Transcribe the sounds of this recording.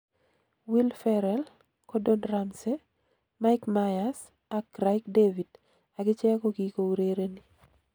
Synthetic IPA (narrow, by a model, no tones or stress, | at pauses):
wilfɛɾɛl | kɔdɔnɾamse | maɪkmajas | akɾaɪkdevid | aɡɪt͡ʃɛkɔɡikoɾeɾeni